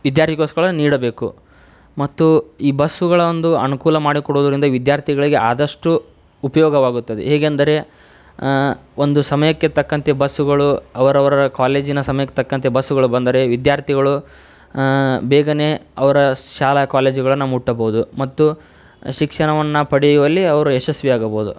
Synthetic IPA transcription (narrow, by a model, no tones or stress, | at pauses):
ʋid̪jaːɾt̪ʰikoskɐɭɐniːɽɐbe̞ːkṵ | mɐt̪ːuiːbɐsuɡɐɭɐond̪uɐnukuːlɐmaːɽikɔɽoːd̪ɐɾind̪ɐʋid̪jaːɾt̪ʰiɡɐɭiɡe̞ʔaːd̪ɐʂʈuː | pɐjɔːɡɐʋaːɡut̪ːɐd̪ḛɦeːɡend̪ɐɾe̞ | ond̪usɐmɐjɐkːe̞t̪ɐkːɐnt̪ebɐsːuɡɐɭuɐʋɐɾɐʋɐɾɐɐkaːle̞ːd͡ʒinɐsɐmɐjɐkːet̪ɐkːɐnt̪ebɐsːuɡɐɭubɐnd̪ɐɾe̞ʋid̪jaːɾt̪ʰiɡɐɭu | bɛːɡɐne̞ːɐʋɐɾɐʃaːlɐkaːle̞ːd͡ʒuɡɐɭɐnːɐmuʈːɐboud̪umɐt̪ːu | ʃikʂɐɳɐʋɐnːɐpɐɽijuʋɐlːiɐʋɐɾueʃɐsʋiaːɡɐboːud̪ṵ